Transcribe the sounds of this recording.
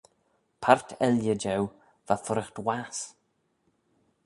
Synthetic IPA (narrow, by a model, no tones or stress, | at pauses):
pʰartʰɛljəd͡ʒɛw | v̥afʊɾɪxtwas